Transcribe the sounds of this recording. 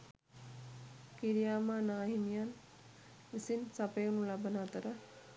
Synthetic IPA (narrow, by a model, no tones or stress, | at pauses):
kiɾijaːmaːnaːɦimijan | ʋisinsapəjonulabənaːt̪əɾə